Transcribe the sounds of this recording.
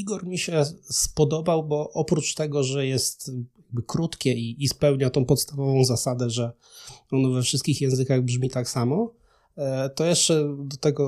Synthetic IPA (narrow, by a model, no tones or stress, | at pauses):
iɡɔɾmʲiɕɛspɔd̪ɔbawbɔʔɔpɾut͡ʂt̪ɛɡɔʐɛjɛst̪jaɡ̚bɘkɾut̪kʲɛiːspɛwɲat̪ɔ̃w̃pɔt̪st̪avɔvɔ̃w̃zasad̪ɛʐɛ | ɔnɔvɛfʂɘst̪̚kʲixjɛ̃w̃zɘkaɣbʐmʲit̪aksamɔ | t̪ɔjɛʂt͡ʂɛd̪ɔt̪ɛɡɔ